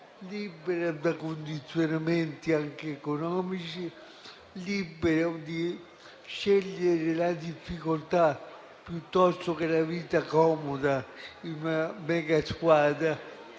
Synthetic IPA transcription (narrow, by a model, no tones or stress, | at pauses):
libeɾad̪akond̪it̪sːjonament̪iaŋk̟eːkonɔːmit͡ʃi | libeɾad̪i | ʃːɛʎːeɾelad̪ifːikolt̪a | pjut̪ːɔst̪okelaviːt̪akɔːmod̪ainamɛːɡaskwaːd̪ɾa